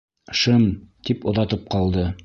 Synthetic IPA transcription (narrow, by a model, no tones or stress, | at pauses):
ʃɤmt̪ipŏðɑt̪ɤp̚qɑlˠd̪ɤ